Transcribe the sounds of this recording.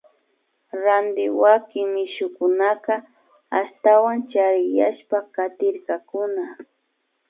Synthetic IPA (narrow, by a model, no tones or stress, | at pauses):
ɾand̪ɪwakɪŋmɪʃʊkʊnaka | aʃt̪awant͡ʃaɾɪjaʃpakat̪ɪɾkakʊna